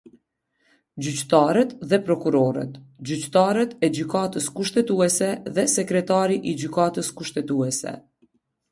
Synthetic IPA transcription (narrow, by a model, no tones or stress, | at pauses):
d͡ʑyct̪aɾɛt̪ðɛpɾɔkuɾɔɾɛ̰t̪d͡ʑyt͡ɕt̪aɾɛt̪ɛd͡ʑykat̪əskuʃt̪ɛt̪uɛsɛðɛsɛkɾɛt̪aɾiʔid͡ʑykat̪əskuʃt̪ɛt̪uɛsɛ̰